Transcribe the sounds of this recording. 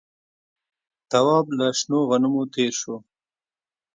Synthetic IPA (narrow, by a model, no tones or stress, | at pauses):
t̪awɑːblaʃnoɣanumot̪eːɾʃo